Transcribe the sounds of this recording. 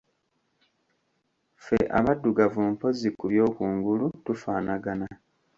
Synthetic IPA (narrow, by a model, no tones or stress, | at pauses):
fe̞̰ʔa̰βadːuɡavuːmpo̞zikuβjo̞ːkuːŋɡulutufaːnaɡana